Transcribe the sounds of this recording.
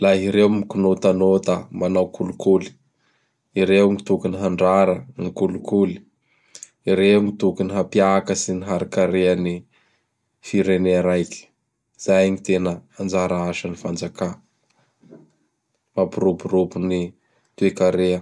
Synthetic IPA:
laɦiɾewmikunot̪anod̪amanawkʰulukuli̥ | iɾewŋit̪ukuniɦaɳɖ͡ʐaɾənikulukuli̥ | iɾeŋit̪ukuniɦapjakəsiniɦaɾikaɾeəni | fiɾeneɾajki̥ | z̥ajɲit̪enəand͡ʒaɾaaʃənifand͡zaka | mapuɾuburubuni | t̪uekaɾeə

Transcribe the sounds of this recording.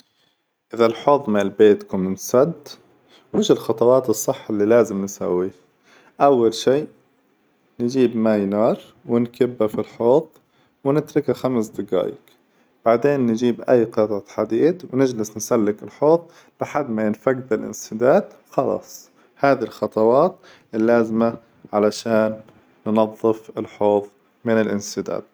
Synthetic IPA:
ʔɪðalħoːðˤmɪɪlbeːt̪kʊmɪnsad̪ | wɪʃɪlxɑt̪ˤɑwɑːt̪ɨsˤːɨħːalːilaːzɪmnsa̰wːi | ʔawːalʃiː | nd͡ʒiːbmajnɑːɾˤ | wɪnkʰɪbːafilħoːðˤ | wɪnɪt̪ɾɪkaxamsd̪ɪɡa̰ːjɪ̰k | b̥aʕd̪eːnːɪd͡ʒiːbʔajːqɨt̪ˤt̪ħad̪iːd̪wnɪd͡ʒlɪsnsalːɪkɪlħoːt̪ˤ | lɪħad̪ːmajɪnfaɡd̪ɪlʔɪ̰nsɪd̪aːd̪xɑlɑ̰ːsˤ | haːðilxɑt̪ˤɑwɑːt̪̚ | ʔɪlːaːzɪma | ʕalaʃaːnː | nɑðˤːɨfɪlħoːðˤ | mɪnɪlʔɪnsɪd̪a̰ːd̪̥̚

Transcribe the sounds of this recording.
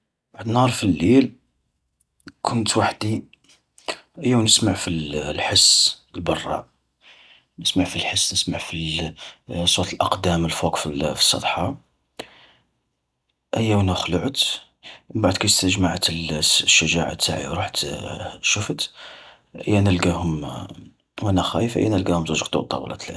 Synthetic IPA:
b̥aʕd̪nhɑɾˤfilːil | kʰʊnt̪waħd̪i | ʔəjːæwnəsmaʕfilħəsːəlbɑrˤːɑ̰ | nəsmaʕfilħəsːnəsmaʕfi | sˤut̪əlʔɑqd̪æməlfukfifi̥sˤːɑ̰d̪ˤħɑ | ʔəjːæwnæxləʕət̪ | baʕd̪kæjəst̪əʒmaʕət̪əlʃːəʒaʕa̰t̪ːa̰ʕḭɾuħt̪ʃufət̪ | ʔə̰jːænəlɡæhʊm | wænæxæ̰jəfʔə̰jːænəlɡæhʊmzuʒqt̪ṵt̪ˤːɑ̰blɑ̰t̪lʕ

